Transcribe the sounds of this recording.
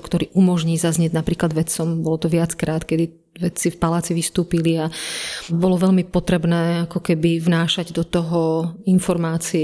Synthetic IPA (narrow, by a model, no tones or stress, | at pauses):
kt̪ɔɾiːʔumɔʒɲiːzazɲɪɛɟnapɾiːklad̪ʋɛt͡sɔmbɔlɔt̪ɔʋɪat͡skɾʔaːt̪kɛd̪i | ʋɛt͡sifpalaːt͡siʋist̪uːpiliabɔlɔʋɛʎmipɔt̪ɾɛbnɛːakɔkɛbivnaːʃaɟd̪ɔt̪ɔɦɔinfɔɾmaːt͡siɛ